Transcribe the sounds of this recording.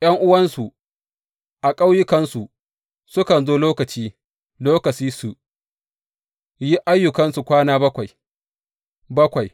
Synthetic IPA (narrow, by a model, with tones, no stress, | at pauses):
j̰ʔɐ˦ŋʔʊ˦wɐ˦nsu˨ | ʔa˨kʼa˦wjʊ˦kɐ˦nsu˨ | sʊ˦kɐ˨nzoː˦loː˦kɐ˨t͡ʃiː˦ | loː˦kɐ˨t͡ʃiː˦su˨ | ji˦ʔa˦jːʊ˨kɐ˦nsu˨kʷaː˦naː˦bɐ˦kʷa˨j | bɐ˦kʷa˨j